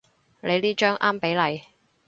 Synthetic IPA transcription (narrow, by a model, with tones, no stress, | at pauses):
lʔe˨˧liː˥t͡ʃœː˥ŋʔaː˥mpe˨˥jlɐ˨˧j